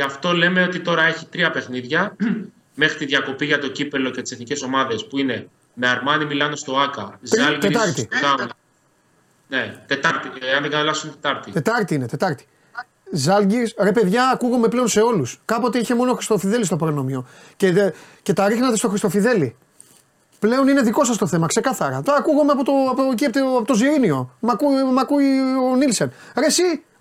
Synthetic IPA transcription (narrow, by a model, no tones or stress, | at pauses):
ceɐft̪o̞le̞me̞o̞t̪it̪o̞ɾɐe̞çit̪ɾiɐpe̞xniðʝɐ | me̞xɾit̪iðʝɐko̞piʝɐt̪o̞cipe̞lo̞cet̪i̥se̞θnice̞so̞mɐðe̞spuine̞ | me̞ɐɾmɐnimilɐnest̪o̞ɐkɐzɐlɡt̪et̪ɐɾt̪iðɐɐ | ne̞t̪e̞t̪ɐɾt̪iɐnðeɡɐnɐlɐfsunet̪et̪ɐɾt̪it̪e̞t̪ɐɾt̪iinet̪e̞t̪ɐɾt̪i̥ | zɐlɡiɾsɾe̞pe̞ðʝɐːkuɣome̞ple̞onse̞o̞luskɐpo̞t̪e̞içe̞mo̞no̞xɾist̪o̞fiðe̞list̪opɾono̞mio̞ | cece̞t̪ɐɾixnɐt̪est̪o̞xɾist̪ofiðe̞li | ple̞o̞nine̞ðiko̞sɐst̪o̞θe̞mɐkse̞kɐθɐɾɐt̪oɐkuɣomeɐpot̪opociept̪ːpot̪oziɾinio̞mɐkumɐkuionilsenɾe̞si